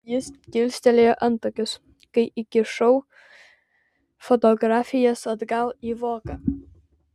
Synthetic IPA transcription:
jɪst̪kʲɪlʲsʲt̪ʲɛlʲeʔɐnt̪ɔkʲʊs | kɐɪʔikʲɪʃɔw | fɔt̪ɔɡɾafʲijɐsɐd̪ɡalˠiʋɔːkɐ

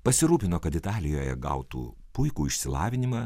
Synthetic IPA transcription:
pɐsʲɪɾuːpʲɪnoːkɐt̪ɪt̪ɑːlʲɪjoːjɛ̰ɡɐ̰ʊt̪ṵː | pʊɪkuːɪʃʲsʲɪlˠɑːʋʲɪnʲɪmɑː

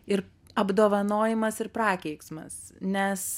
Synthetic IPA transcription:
ɪɾ | ɐbd̪oːʋɐnoːjɪmɐsɪɾpɾɑːkʲɛɪksmɐ̰snʲɛs

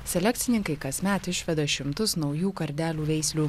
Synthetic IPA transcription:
sʲɛlʲɛk̚ʲt̪sʲɪnʲɪŋkɐɪkɐsʲmʲæːt̪ɪʃʲʋʲɛd̪ɐʃʲɪmt̪ʊsnɒʊjuːkɐɾʲd̪ʲæːlʲuːʋʲɛɪsʲlʲuː

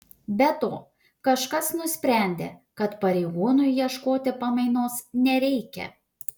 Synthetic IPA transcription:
bʲɛt̪oː | kɐʃkɐsnʊsʲpʲɾʲæˑnʲd̪ʲḛːkɐt̪pɐɾʲɛɪɡuːnʊjjiɛʃkoːt̪ʲɪpɐmɐɪnoːsnʲɛɾʲɛɪkʲɛ̰

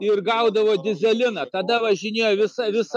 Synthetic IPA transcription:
ɪrɡɐʊd̪ɐʋoːd̪ʲɪzʲɛlʲɪnɐt̪ɐd̪ɐʋɐʒʲɪnʲeːjoːʋʲɪsɐʋʲɪs

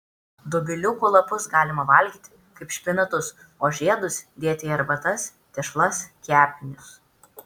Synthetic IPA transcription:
d̪ʊbʲɪlʲʊkʊlˠɐpʊsɡɑːlʲɪmɐʋɐˑlʲɡʲiːt̪ʲɪ | kɐɪpʃʲpʲɪnɐt̪ʊs | oːʒʲeɛd̪ʊsd̪ʲeːt̪ʲeɛɾbɐt̪ɐs | t̪ʲɛʃlˠɐskʲæːpʲɪnʲʊs

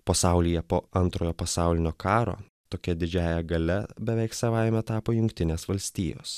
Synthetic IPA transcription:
pɐsɑʊlʲɪjɛpoːɐnt̪ɾoːjoːpɐsɑˑʊlʲɪnʲoːkʰɑːɾo̰ː | t̪oːkʲɛd̪ʲɪd͡ʒʲæːjɛɡɐlʲɛbʲɛʋʲɛɪksɐʋɑɪmʲɛt̪ɑːpoːjʊŋʲkt̪ʲɪnʲeːsʋɐlʲsʲt̪ʲiːjo̰ːs

